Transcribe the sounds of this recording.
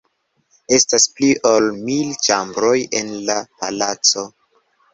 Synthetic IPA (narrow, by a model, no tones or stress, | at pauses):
e̞staspliʔolmilt͡ʃambɾo̞je̞̰nlapalat͡so̞